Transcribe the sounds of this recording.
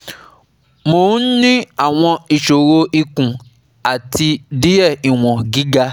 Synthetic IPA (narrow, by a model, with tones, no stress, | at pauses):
moː˨˦n̩˦nĩ˦a˦˨w̃ɔ̃˧i˨ʃo˨ɾo˧ʔi˧kũ˨ | a˨ti˧di˦jɛ˦˨i˨w̃ɔ̃˨ɡi˨˦ɡa˧